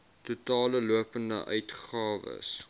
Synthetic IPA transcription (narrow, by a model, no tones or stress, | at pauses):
tutɑːləluəpəndə̰ʔœɥtχɑːvə̰s